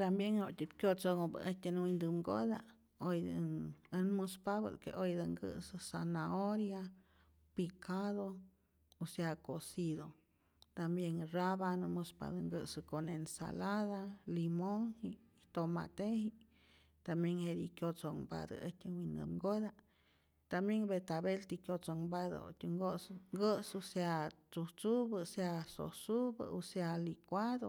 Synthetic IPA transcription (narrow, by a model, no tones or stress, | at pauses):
t̪ambjeŋhot̪ʲip̪kʲjot͡soŋob̰ʔeht̪ʲenwind̪ɨmŋɡoða | oj̪ | nmɨspaβə̰d̪kḛʔojd̪əŋɡɨ̰sɨsanaoɾja | pikʰaðo | usakosiðo | t̪ambjeŋraβanmɨspa̰d̪ɨŋɡɨsɨkonensa̰laðalimoŋhiʔ | t̪oma̰t̪ehi | t̪ambjeŋheɾikjot͡soŋba̰d̪ə̰ə̰t̪ʲəwinə̰bŋɡod̪a | t̪ambjeŋbet̪aβelt̪ikʲjot͡soŋbad̪o̰o̰t̪ʲuŋɡosŋɡəsuseat͡suht͡subəseaso̰subə̰usealikʷad̪o